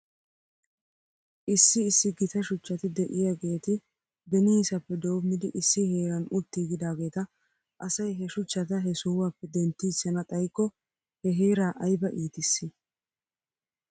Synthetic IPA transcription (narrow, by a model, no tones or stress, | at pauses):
ʔɪsːɪːsːɪɡɪt̪ɐʃʊt͡ʃːɐt̪ɪd̪ɛʔɪjaɡe̞ːt̪ɪ | bɛniːsɐpːɛd̪o̞ːmɪd̪ɪʔɪsːɪheːɾɐnʊt̪ːiːɡɪd̪aːɡe̞ːt̪ɐ | ʔɐsɐjɦɛʃʊt͡ʃːɐt̪ɐɦɛsʊwapːɛd̪ɛnt̪ːiːsɐnɐt̪ʼɐjkːɔ | hɛɦeːɾaːʔɐjbɐʔiːt̪ɪsːɪ